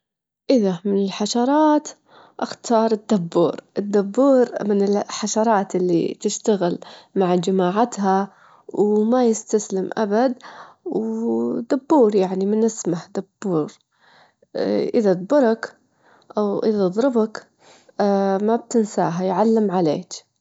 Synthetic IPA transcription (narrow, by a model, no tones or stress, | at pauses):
ʔɪðamɪnɪlħaʃɑɾˤɑːt̪ | ʔaxt̪ʰɑːɾˤɪd̪ːabːuːɾʔɪd̪ːabːuːɾmɪnɪlħaʃɑɾˤɑːt̪ʔɪlːḭt̪ɪʃt̪aɣɪlmaʕd͡ʒamaːʕat̪ɦa | wmajɪst̪aslɪmʔa̰bad̪ | wd̪abːuːɾjaʕnimɪnɪsmahd̪abːuːɾ | ʔɪðad̪ˤbʊɾˤak | ʔawʔɪðad̪ˤɾɪbak | mab̚t̪ɪnsa̰ːɦajʕalːɪmʕalḛːk